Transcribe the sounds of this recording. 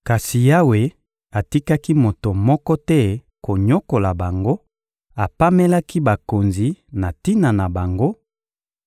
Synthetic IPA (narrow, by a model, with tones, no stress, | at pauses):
ka˨si˨ja˦we˨ | a˨ti˦ka˦ki˦mo˨to˨mɔ˦kɔ˦tɛ˦ | ko˨ɲo˦ko˨la˨ba˨ŋɡo˦ | a˨pa˦mɛ˦la˦ki˦ba˨ko˨nzi˨na˨ti˦na˨na˨ba˨ŋɡo˦